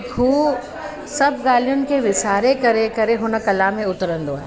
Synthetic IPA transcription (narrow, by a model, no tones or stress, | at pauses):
kʰuː | sɐbɡaːlijʊnɪkeʋɪsaːɾekɐɾekɐɾeɦoːnakɐlamẽʊt̪ɾə̃nd̪oːa̰ː